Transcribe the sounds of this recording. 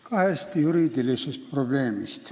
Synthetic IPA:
kɑhest̪jyɾid̪ilisest̪̚prob̥leːmist̪

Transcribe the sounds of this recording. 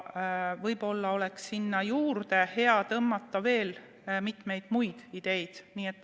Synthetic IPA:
vɤjbo̞lːɑo̞le̞ksːinːɑjuːrd̪e̞he̞ɑt̪ɤmːɑt̪ˑːɑve̞ːl | mit̪me̞jd̪̥mujd̪̥id̪̥e̞jd̪̥niːet̪ːˑ

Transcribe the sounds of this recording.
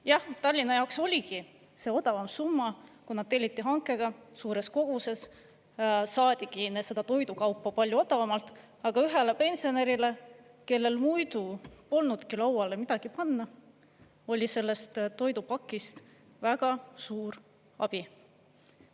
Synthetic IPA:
jɑht̪ɑlʲːinɑjɑwkso̞lʲiɡi | se̞o̞d̪ɑvɑmsumːɑkunɑd̪̚t̪ːe̞lʲːit̪ːiɦɑŋkːˑe̞ɡ̥ɑsuːɾe̞sko̞ɡ̥use̞s | sɑːd̪̥ʲiɡ̥inese̞d̪̥ɑt̪o̞jd̪ukɑwpːɑpɑlʲjuo̞d̪ɑvɑmɑlt̪ˑ | ɑɡ̥ɑyɦe̞lepe̞nsio̞ne̞ɾile̞ | ke̞lːe̞lmujd̪upo̞lnud̪̥kilɑwɑle̞mid̪̥ɑɡ̥ipɑnːɑ | o̞lʲise̞lːe̞st̪t̪ːo̞jd̪upɑkˑːist̪ | væɡ̥ɑsuːɾ | ɑ̰b̥i

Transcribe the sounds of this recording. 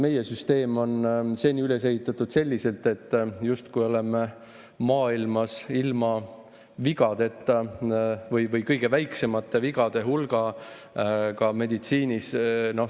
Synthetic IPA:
me̞je̞syst̪e̞ːmo̞nse̞ːniyle̞s̬e̞hit̪ːˑɑt̪ːˑud̪̥se̞lʲːise̞lt̪e̞t̪ˑːjust̪kujo̞le̞me | mɑːilmɑsilmɑ | viɡ̥ɑd̪̥e̞t̪ːˑɑvɤjvɤjkɤjɡ̥e̞væjkse̞mɑt̪ːeviɡ̥ɑd̪̥e̞ɦulɡ̥ɑ | kɑme̞d̪̥it̪siːnʲisno̞h

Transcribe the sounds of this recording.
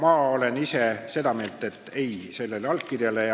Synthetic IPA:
mɑːole̞nise̞se̞d̪̥ɑme̞ːlt̪ːˑe̞t̪ːˑe̞jse̞lːe̞lɑlk̚kːirjɑle

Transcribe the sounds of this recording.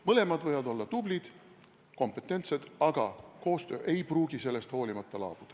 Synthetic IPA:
mɤle̞mɑd̪vɤjɑd̪o̞lːɑt̪ublid̪̥ | ko̞mpːˑe̞t̪ːˑe̞nt̪se̞d̪̥ɑɡ̥ɑko̞ːst̪ø̞ːʔe̞jpruːɡ̥ise̞lːe̞st̪ho̞ːlimɑt̪ˑːɑlɑ̰ːb̥ud̪̥ɑ

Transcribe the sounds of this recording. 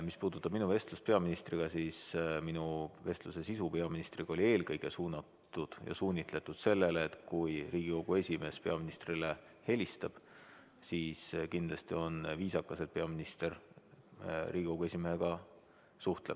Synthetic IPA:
mispuːd̪̥ut̪ːˑɑb̥minuve̞st̪lust̪pe̞ɑminist̪riɡ̥ɑsisminuve̞st̪luse̞sisupeɑminist̪riɡ̥ɑo̞lʲie̞ːlkɤjɡ̥esuːnɑt̪ːud̪̥jɑ̰suːnʲit̪le̞t̪ːˑud̪̥se̞lːe̞leet̪kujriːɡ̥iko̞ɡ̥ue̞sʲime̞spe̞ɑminist̪rilehe̞lʲist̪ɑb̥ | siːskind̪̥lɑst̪io̞nviːsɑkːˑɑse̞d̥̪̚pe̞ɑminist̪e̞r | riːɡʲiko̞ɡue̞sʲimeheɡ̥ɑ | suht̪leb̥̚

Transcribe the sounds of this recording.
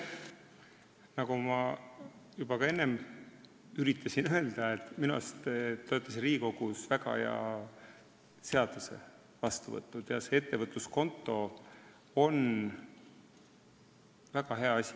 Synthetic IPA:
nɑɡ̥umɑ | jub̥ɑkɑe̞nːe̞m | yɾit̪ʰːˑɑsinøe̞ld̪̥ɑet̪ːˑminṵst̪t̪ːo̞et̪ːˑɑsinriːko̞ɡ̥usvæɡɑ̰jɑ̰ | se̞ɑd̪̥use̞̰ | vɑst̪uvɤ̰t̪ːˑud̪̥jɑ̰se̞et̪ːevɤt̪ːˑusko̞nt̪ːˑo̞ | o̞n | væɡ̥ɑɦe̞ɑɑsʲi̥

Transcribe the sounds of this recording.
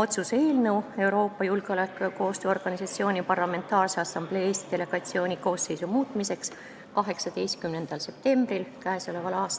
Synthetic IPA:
o̞t̪suse̞ːlnəwe̞wɾo̞ːpːɑjulɡ̥eo̞lekːˑkːo̞ːst̪øːo̞rɡ̥ɑnʲisɑt̪sio̞ːnʲipɑrlɑme̞nt̪ːˑɑːrseɑsːɑmb̥le̞ːeːst̪i̥d̪̥e̞le̞ɡ̥ɑt̪sio̞ːnʲiko̞ːsːe̞jsumuːt̪mise̞ks | kɑɦe̞ksɑd̪e̞jst̪kymne̞nd̪̥ɑlse̞p̚t̪e̞mb̥rilkæeso̞le̞vɑlɑːst̪

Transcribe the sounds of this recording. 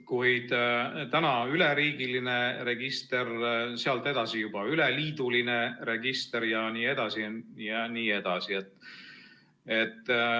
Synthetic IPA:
kujd̪̥t̪ænɑyleɾiːɡ̥iline̞re̞ɡ̥ist̪e̞rseɑlt̪ːe̞d̪̥ɑsijub̥ɑyleliːd̪̥uline̞ɾe̞ɡ̥ist̪eɾjɑniːe̞d̪̥ɑsijɑniːe̞d̪̥ɑsiet̪ːˑ | e̞t̪ːˑ

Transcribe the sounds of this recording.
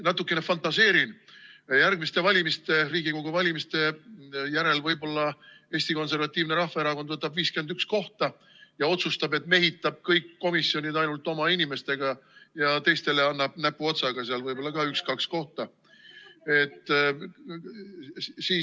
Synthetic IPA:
nɑt̪ːˑukːˑe̞nefɑnt̪ˑɑse̞ːɾinjærɡmist̪e̞vɑlʲimist̪e̞riːɡikoɡuvɑlʲimist̪e̞jæɾe̞lvɤjbo̞lːɑ | e̞ːsʲt̪iko̞ns̬e̞rvɑt̪ʲːˑiːvne̞ɾɑhfɑe̞ɾɑkod̪vɤt̪ːˑɑbviːskyend̪yksko̞ht̪ɑ | jɑo̞t̪sust̪ɑbe̞t̪me̞ɦit̪ːˑɑb̥̚kɤjkːo̞misːio̞nʲid̪ɑjnult̪ːˑo̞mɑinʲime̞st̪e̞ɡ̥ɑjɑt̪e̞jst̪e̞le̞ɑnːɑb̥næpːuo̞t̪sɑɡ̥ɑseɑlvɤjbo̞lːɑkɑykskɑksko̞ht̪ɑ | e̞t̪ˑː | siː

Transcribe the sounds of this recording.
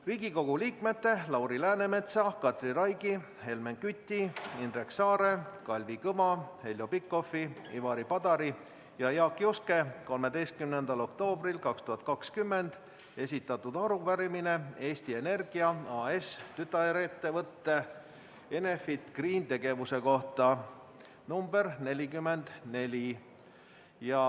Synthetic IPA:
riːɡiko̞ɡ̥uliːkme̞t̪ːe̞lɑwɾilæːne̞me̞t̪sɑkɑt̪rirɑjɡi | he̞lmenkyt̪ʲːiinreksɑːɾe̞kɑlʲvikɤmɑhe̞lʲjo̞pikːˑo̞fiḭvɑɾipɑd̪̥ɑɾi | jɑjɑːkːˑjoske̞ko̞lme̞d̪e̞jst̪̚kymnend̪ɑlo̞kt̪o̞ːbrilkɑkst̪uɦɑt̪̚kɑkskymːe̞nd̪̥ | e̞sʲit̪ːˑɑt̪ːud̪ɑɾuvæɾimine̞e̞ːst̪ie̞ne̞rɡ̥iɑɑːest̪yt̪ːˑɑɾet̪ːe̞vɤt̪ːe̞ | e̞ne̞fit̪ɡ̥riːnt̪e̞ɡ̥e̞vuse̞ko̞ht̪ɑ | numbe̞rne̞lʲikymːe̞nd̪̥ne̞lʲi | jɑ

